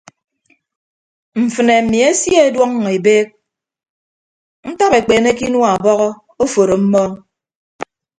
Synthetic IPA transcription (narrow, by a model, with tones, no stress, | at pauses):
m̩˨fɨ˨ne˨mi˨e˦sje˦e˦dwɔ˦ŋ˨e˨beː˦k̚ | n̩˦ta˦pe˨k͡peː˨ne˦ki˦nwa˨bɔ˦ɣɔ˦ | o˦fo˨ɾo˨m̩˦mɔ˦